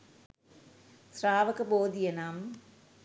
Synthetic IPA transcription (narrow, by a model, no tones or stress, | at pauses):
sraːʋɐkɐboːd̪ijɐnaːm